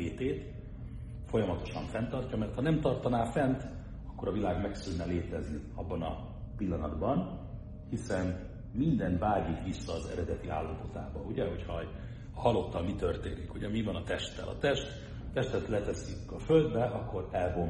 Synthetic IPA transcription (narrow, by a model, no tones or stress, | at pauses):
eːt̪eːt̪ | fo̞jɒmɒt̪o̞ʃɒɱfɛnt̪ɒrcɒmɛrt̪hɒnɛmt̪ɒrt̪ɒnaːfɛnt̪ | ɒkːo̞ɾɒvilaːɡmɛksynːɛleːt̪ɛzniɒbːɒnɒ̰ | pilːɒnɒd̪bɒn | hisɛn | mind̪ɛnt̪vaːɟikʋisːɒːzɛ̰ɾɛd̪ɛt̪ia̰ːlːɒpo̞t̪aːbɒuɟɛɦo̞chɒ | hɒlːo̞t̪ːɒmit̪ørt̪eːnikuɟɛmivɒnɒt̪ɛʃt̪ːɛ̰lʔɒ̰t̪ɛʃt̪ | t̪ɛʃt̪ɛt̪lɛt̪ɛsykɒføld̪bɛʔɒkːo̞ɾɛlbom